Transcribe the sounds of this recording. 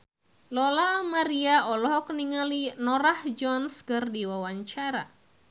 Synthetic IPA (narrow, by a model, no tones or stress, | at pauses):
lɔlamaɾiaɔlɔɦɔkniŋalinɔɾahd͡ʒɔnskɨrdiwawaɲt͡ʃaɾa